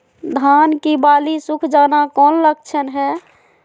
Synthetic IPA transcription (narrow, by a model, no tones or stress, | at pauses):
d̪ʱankibalisukʰd͡ʒanakɔnləɡ̚t͡ʃʰənɦɛ